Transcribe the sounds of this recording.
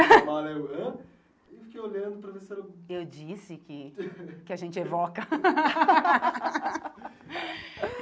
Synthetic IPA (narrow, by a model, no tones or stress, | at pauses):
ɔleɐ̃ | fi̥kejoʎɐ̃nd̪ʊpɾɐveseɾɐ̃ewd͡ʒisɪkɪkɪaʒẽnt͡ʃɪevɔkɐ